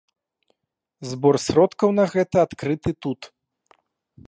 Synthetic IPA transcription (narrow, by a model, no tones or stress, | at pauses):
zbɔrsʲɾɔt̪kɐwnɐɣɛt̪ɐat̪kɾɨt̪ɨt̪ut̪